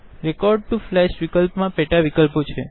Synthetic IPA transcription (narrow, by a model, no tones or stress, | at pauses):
ɾɛkɔɾɖ̚ʈuflɛʃʋikəlpmãpɛʈaʋikəlpot͡ʃʰe